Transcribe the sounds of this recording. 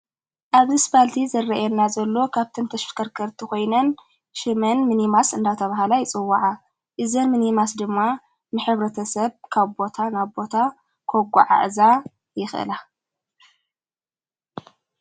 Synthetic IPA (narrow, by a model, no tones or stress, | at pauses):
ʔaβzisbalt̪ʰizɐrːɐʔjɛnːazɐlːo̞kʰaβt̪ʰɨnt̪ʰɐʃfkʰɐɾkʰɐɾt̪ʰiko̞jnɐn | ʃɨmɐnmɨnimasɨnd̪at̪ʰɐβaɦalajɪt͡sʼɨwːaʕa | ʔɨzɐnmɨnimas̬d̪ɨmːa | mɨħɨβɾɐt̪ʰɐsɐβkʰaβbo̞t̪ʰanaβbo̞t̪ʰa | kʰoɡʷa̰ʕa̰ʔza | jɪxʔɨ̰la